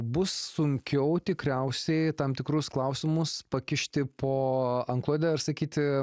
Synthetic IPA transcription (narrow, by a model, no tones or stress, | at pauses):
bʊsːʊŋʲkʲɛʊt̪ʲɪkɾʲɛʊsʲɛɪt̪ɐmt̪ʲɪkɾʊsklˠɐʊsʲɪmʊspɐkʲɪʃʲt̪ʲɪpʰoːɐŋklˠoːd̪ʲɛɐrsɐkʲiːt̪ʲ